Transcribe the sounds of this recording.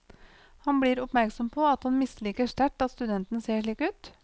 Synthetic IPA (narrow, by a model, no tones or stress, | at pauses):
hɑnbɽiːɾʊpmæɾksɔmpʰoːɑt̪hɑnmɪsliːkəʂʈ̪æʈɑt̪st̪ʉd̪ɛnt̪n̩seːʂɭiːkʉːt̪